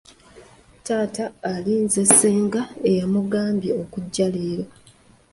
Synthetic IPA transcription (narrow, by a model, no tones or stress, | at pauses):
taːtaːliːnze̞sːeːŋɡae̞jamuɡaːmbjeokuɟːaleːɾa